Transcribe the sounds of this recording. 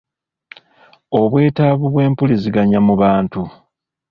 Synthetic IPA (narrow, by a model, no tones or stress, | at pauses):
o̞βwe̞ːtaːβuβwe̞ːmpuliziɡaɲamuβaːntu